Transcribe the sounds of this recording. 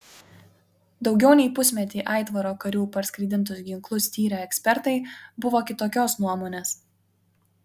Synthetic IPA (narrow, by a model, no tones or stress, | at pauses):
d̪ɒʊɡʲɛʊnʲɛɪpʊsʲmʲɛt̪ʲiːʔɑˑɪt̪ʋɐɾoːkɐɾʲuːpɐɾsʲkɾʲɪd̪ʲɪnt̪̬ʊsɡʲɪŋklˠʊsʲt̪ʲiːɾʲɛɛksʲpʲɛɾt̪ɐɪbʊʋoːkʲɪt̪oːkʲoːsnuɔmoːnʲeːs